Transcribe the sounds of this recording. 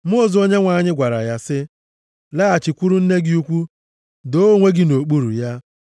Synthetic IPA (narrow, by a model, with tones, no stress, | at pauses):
m̩˦o˦˨zo˦ɲe˦ŋʷa˨ɲɪ˦ɡʷa˨ɾa̰˨ja˨sɪ˦ | la˦a˨t͡ʃɪ˨kʷu˦ɾu˦n̩˦ne˦ɡɪ˦u˦kʷu˦ | do˦ŋʷe˦ɡɪ˦no˨k͡pu˦ɾṵ˨ja˦